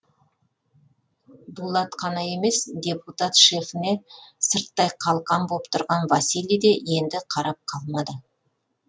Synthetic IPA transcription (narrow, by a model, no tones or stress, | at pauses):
d̪ulˠɑt̪qʰɑnɑje̞me̞sd̪ʲe̞put̪at̪ʃe̞fɪne̞səɾt̪ːɑjqʰɑlˠqɑmbopt̪ʊɾʁɑnvɑsilʲijd̪eje̞nd̪ɪqʰɑɾɑp̚qʰɑlˠmɑd̪ə